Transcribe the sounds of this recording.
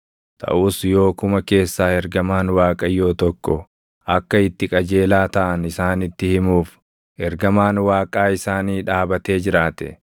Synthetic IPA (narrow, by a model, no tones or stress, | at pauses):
t̪ʰʼɐ̰ʔuːsjo̞ːkʊmɐke̞ːsːaːɛɾɡɐmaːnwaːkʼɐjo̞ːt̪ɔkːɔ | ʔɐkːɐɪt̪ːɪkʼɐd͡ʒe̞ːlaːt̪ɐʔɐnɪsaːnɪt̪ːɪhɪmuːf | ʔɛɾɡɐmaːnwaːkʼaːɪsaːniːᶑaːbɐt̪e̞ːd͡ʒɪɾaːt̪ɛ̰